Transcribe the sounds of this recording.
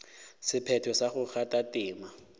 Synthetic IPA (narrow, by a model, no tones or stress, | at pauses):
sɪpʰɛtʰɔsaχʊk͡xʰatʼatʼɪːma